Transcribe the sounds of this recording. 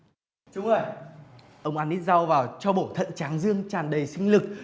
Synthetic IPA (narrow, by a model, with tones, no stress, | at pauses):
t͡ɕʊ˨˦ŋ͡mʔəː˧˩j | ʔə˧wŋ͡mʔaː˨˧nːi˦˥t̚za˧wvaː˨˩wt͡ɕɔ˧ɓo˧˩t̪ʰə̰˧˨nt͡ɕaː˨˦ŋzɨ˧əŋt͡ɕaː˨˩nɗə˨˩jsï˧ŋ̟lɨ˨˩k̚